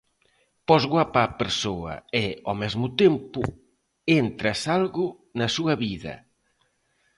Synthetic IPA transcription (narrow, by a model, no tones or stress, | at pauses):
pɔzɣwapaːpeɾsoɐ̰eɔmɛzmʊt̪empʊ | ent̪ɾɐsalɣʊ | nɐsuɐβiðɐ̰